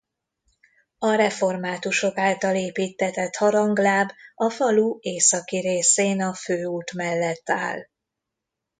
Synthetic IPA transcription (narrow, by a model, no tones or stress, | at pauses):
ɒɾɛfo̞rmaːt̪uʃo̞kaːlt̪ɒleːpiːt̪ːɛt̪ɛt̪hɒɾɒŋɡlaːbɒfɒlueːsɒkiɾeːseːnɒføːuːt̪mɛlːɛt̪ːa̰ːl